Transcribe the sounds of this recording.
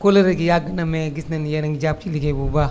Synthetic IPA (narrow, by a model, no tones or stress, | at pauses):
koleɾeɡijaɡɐnameɡisnanijenaŋɡid͡ʒab̚t͡ʃiliɡebuba